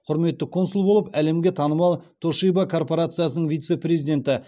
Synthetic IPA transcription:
qʰʊɾme̞t̪ːɪkʰo̞nsulˠbo̞lˠəpæle̞mɡʲe̞t̪ʰɑnəmɑlˠt̪ʰo̞ʃijbakʰo̞rpo̞ɾat̪sɨjasənəɴvijt̪se̞pɾʲezijd̪ʲe̞nt̪ɪ

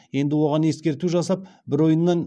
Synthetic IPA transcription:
je̞nd̪ɪwo̞ʁɑne̞skʲe̞ɾt̪uʒɑsɑp̚bɪɾo̞jənːɑn

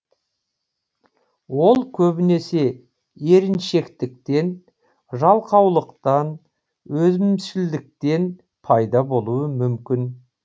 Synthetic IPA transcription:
wo̞lˠkʲʰɵbɪne̞se̞ | e̞ɾɪnʃe̞kt̪ɪk̚t̪e̞n | ʒɑlˠqʰɑwlˠəqt̪ɑn | wɵzmɪmʃɪld̪ɪk̚t̪e̞n | pʰɑjd̪ɑbo̞lˠuəmʏmkʲɪn

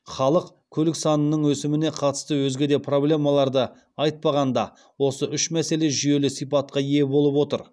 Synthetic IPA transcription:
χɑlˠəq | kʲʰɵlɪksɑnənəɴwɵsɪmɪne̞qʰɑt̪ə̥st̪əwɵzɡʲe̞d̪e̞pʰro̞blʲe̞mɑlˠɑɾd̪ə | ɑjt̪̚pɑʁɑnd̪ɑ | wo̞səʔʏʃmæse̞le̞ʒʏje̞lɪsijpɑt̪̚qɑje̞bo̞lˠəpwo̞t̪əɾ

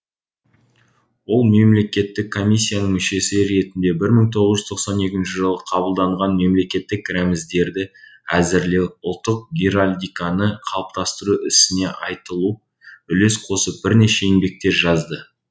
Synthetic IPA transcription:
wo̞lˠme̞mle̞kʲe̞t̪ːɪkʰːo̞mʲijsʲːijanəɴmʏʃe̞sɪɾe̞t̪ɪnd̪e̞bɪɾməɴt̪ʰo̞ʁəzʒʏzt̪ʰo̞qsɑne̞kʲɪnʃɪʒəlˠəqʰɑbəlˠd̪ɑɴʁɑnme̞mle̞kʲe̞t̪ːɪkɾæmɪzd̪e̞ɾd̪ɪæzɪɾle̞ʊlˠt̪ːəq̚ɡʲiɾalʲd̪ijkanəqʰɑlˠəp̚t̪ɑst̪əɾuɪsɪne̞ʔɑjt̪əlˠu | ʏle̞sqʰo̞səp̚b̥ɪɾne̞ʃe̞inbe̞k̚t̪e̞ɾʒɑzd̪ə

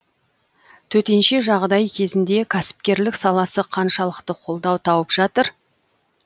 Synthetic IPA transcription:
t̪ʰɵt̪e̞nʃe̞ʒɑʁd̪ɑjkʲʰe̞zɪnd̪e̞kʲʰæsɪ̥p̚kʲe̞ɾlɪksɑlˠɑsəqʰɑnʃɑlˠəqt̪əqʰo̞lˠd̪ɑwt̪ʰɑwəpʒ̥ɑt̪əɾ

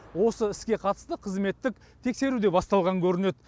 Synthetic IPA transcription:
wo̞səɪskʲe̞qʰɑt̪ə̥st̪əqʰəzme̞t̪ːɪk̚ | t̪ʰe̞kse̞ɾud̪e̞bɑst̪ɑlˠʁɑŋkʲʰɵɾɪne̞d̪

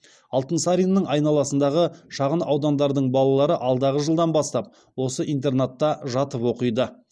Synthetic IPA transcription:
ɑlˠt̪ənsaɾinːəɴɑjnɑlˠɑsənd̪ɑʁəʃɑʁənɑwd̪ɑnd̪ɑɾd̪əɴbɑlˠɑlˠɑɾəʔɑlˠd̪ɑʁəʒəlˠd̪ɑnbɑst̪ɑp̚ | wo̞səʔijnt̪e̞rnat̪ːɑʒɑt̪əpwo̞qəjd̪ə

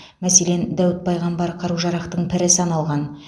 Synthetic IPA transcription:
mæse̞le̞nd̪æwɪt̪̚pʰɑjʁɑmbɑɾqʰɑɾuʒɑɾɑqt̪əɴpʰɪɾɪsɑnɑlˠʁɑn

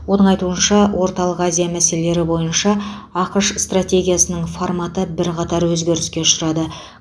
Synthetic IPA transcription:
wo̞nəɴɑjt̪uənʃɑwo̞ɾt̪ɑlˠəqazijamæse̞lele̞ɾɪbo̞jənʃɑ | ɑqəʃst̪rat̪ʲe̞ɡʲijasənəɴformat̪əbɪɾqɑt̪ɑɾwɵzɡʲe̞ɾɪskʲe̞ʃəɾɑd̪ə

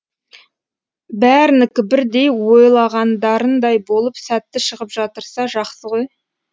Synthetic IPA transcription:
bæɾɪnɪkʲɪbɪɾd̪e̞jwo̞jlˠɑʁɑnd̪ɑɾənd̪ɑjbo̞lˠəpsæt̪ːɪʃəʁəpʒ̥ɑt̪əɾsɑʒɑqsəʁo̞j

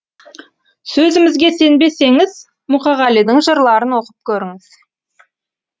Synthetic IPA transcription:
sɵzɪmɪzɡʲe̞se̞nbe̞se̞ŋɪz | mʊqɑʁɑlijd̪əɴʒəɾlˠɑɾənwo̞qəp̚kʲʰɵɾɪŋɪz̥

